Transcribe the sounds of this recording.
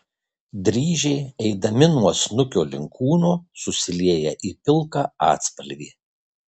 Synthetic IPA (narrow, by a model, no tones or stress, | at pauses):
d̪ʲɾʲiːʒʲɛɪɛɪd̪ɐmʲɪnuɔsnʊkʲoːlʲɪ̰ŋkʰuːnoːsʊsʲɪlʲeːjɛʔiːpʲɪlˠˑkɑːɑ̰ːt̪spɐlʲɡʲiː